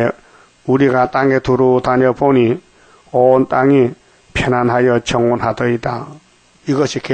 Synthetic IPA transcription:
uɾiɡataŋet̪ʰuɾot̪ʰanɔpʰɔni | ɔntaŋi | pʰenanɦajʌt͡ɕʰʌŋɔnɦat̪ʰʌit̪a | iɡʌsʰikʰe

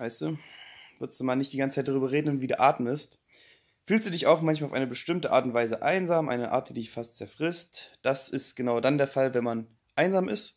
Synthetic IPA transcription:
aɪstd̥uːv̥ɪɐstd̥uːmaːlnɪçtd̥iːɡant͡sət͡saɪt̚d̥aʁyːbɐʁ̞eːdn̩nviːdeːɐʔaːtm̩ɪst | fyːlstd̥uːdɪçaʊxmançmalaʊfʔaɪnəbəʃtɪmtəʔaːɐtʊntv̥aɪzəʔa̰ɪnzaːmʔa̰ɪnəʔa̰ːɐt̚d̥iːdɪçfast̚t͡sɛɐfʁ̥ɪstd̥asɪstɡ̥ənaʊdandeːɐfalvɛnman | ʔaɪnzaːmɪ̰st

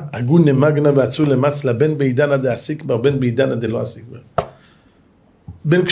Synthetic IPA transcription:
aɡunemaɡnaveat͡sulemat͡slabɛnbeidanad̪easikbaʁbɛnbeid̪anad̪eloasik̚ba | bɛnkʃ

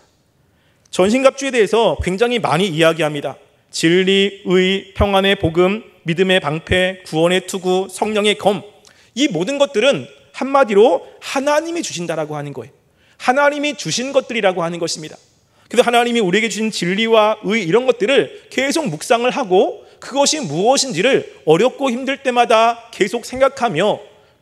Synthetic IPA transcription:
t͡ɕʌnɕʰinɡap̚t͡ɕ͈ue̞de̞ɦesʰʌkwe̞ŋd͡ʑaŋɦima̰ɲiːjaɡiɦamɲida̰ | t͡ɕiɭːiɯipʰjʌŋɦwane̞poɡɯmː | idɯme̞paŋpʰe̞kuwʌne̞tʰuɡusʰʌŋɲʌŋe̞kʌm | imodɯnɡʌt̚t͈ɯɾɯn | hanmadiɾohanaɲimit͡ɕuɕʰindaɾaɡohanɯnɡʌe̞̰o | hanaɲimit͡ɕuɕʰinɡʌt̚t͈ɯɾiɾaɡohanɯnɡʌɕʰimɲida̰ | kɯɾesʰoɦanaɲimiuɾie̞ɡed͡ʑuɕʰint͡ɕiʎːiwaɯiːɾʌnɡʌt̚t͈ɯɾɯɭke̞sʰok̚muk̚s͈aŋɯɭɦaɡo | kɯɡʌɕʰimuʌɕʰind͡ʑiɾɯɭʌɾjʌp̚k͈oçimdɯɭt͈e̞madake̞sʰok̚sʰe̞ŋɡakʰamjʌ

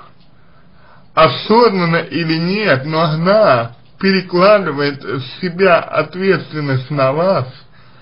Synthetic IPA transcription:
ɐsod̪nɐnɐʔilʲinʲiət̪noɐɦna | pʲeɾʲiklˠad̪ɨʋəjt̪sʲibʲaʔɐ̰t̪ʋʲet̪st̪ʋʲɪnːəsʲtʲnɐʋas

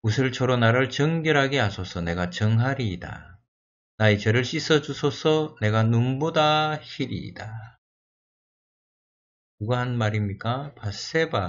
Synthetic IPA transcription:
usʰɯɭt͡ɕʰʌɾonaɾɯɭt͡ɕʌŋɡjʌɾɦaɡeasʰosʰʌne̞ɡat͡ɕʌŋɦaɾiːda̰ | nait͡ɕʌɾɯɭɕ͈is͈ʰʌd͡ʑusʰosʰʌne̞ɡanumbodaɕiɾḭda | kɯɡaɦanmaɾimɲik͈apas͈e̞ba

